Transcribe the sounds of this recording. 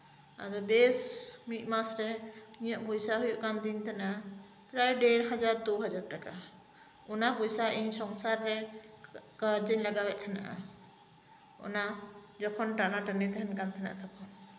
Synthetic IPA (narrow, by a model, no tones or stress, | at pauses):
a̰d̪ɔbesmit̚masɾɛijãʔbʱɔjsaɦujuʔkand̪int̪ʰɛna | kɾajɖeɽɦəd͡ʒaɾd̪oɦəd͡ʒaɾʈaka | unabɔjsaʔinsɔŋsaɾːɛ | kəd͡ʒənləɡabɛʔ̚t̪ʰɛna̰ʔa̰ | ɔ̰na | d͡ʒɔkʰɔnʈanaʈənid̪ɛɦɛnkant̪ʰɛna̰ʔt̪ʰɔkʰɔn